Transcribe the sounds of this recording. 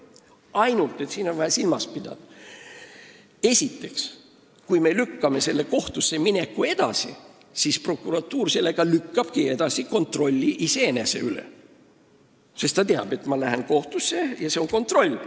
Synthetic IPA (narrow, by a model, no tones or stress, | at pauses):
ɑjnult̪ˑːet̪siːno̞nvɑjɑsilmɑspid̪̥ɑ̰d̪̥ɑ | e̞sʲit̪ːe̞ks | kujme̞lykːɑme̞se̞lːe̞ko̞ht̪usːe̞mine̞kːˑue̞d̪̥ɑsḭ | sispro̞kːˑuɾɑt̪ːuːrse̞lːe̞ɡ̥ɑlykːɑb̥kie̞d̪ɑsiko̞nt̪ro̞lʲːiʔise̞ene̞se̞̰ylḛ | se̞st̪ɑt̪eɑ̰b̥e̞t̪mɑlæɦenko̞ht̪usːe̞jɑseo̞ŋko̞nt̪ro̞lʲː